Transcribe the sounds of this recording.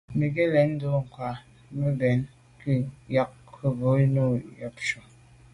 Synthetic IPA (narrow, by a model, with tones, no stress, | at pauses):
mi˨ɡe˦lɛ˨˦n̩˦do˦ŋ̩˨kwa˨ | mə˦bɛ˨˦n | ki˦ja˨k̚ | kʰə˦bo˨˦no˦˨jɔ˨p̚ʃo˨